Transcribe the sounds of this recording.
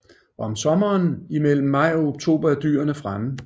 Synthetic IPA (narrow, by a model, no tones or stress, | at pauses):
ɒɒɒ̽msɒ̽mɐːnimel̰m̩ːɑ̈ɪ̰ɒ̽o̝ɡ̥̚t͡sʰo̝̰ːb̥ɐd̥y̰ːɐnəfʁamə